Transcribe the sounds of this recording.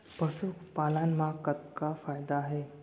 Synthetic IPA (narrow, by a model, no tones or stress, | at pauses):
pəsukpalanmakːət̪̚kafajd̪aːɦe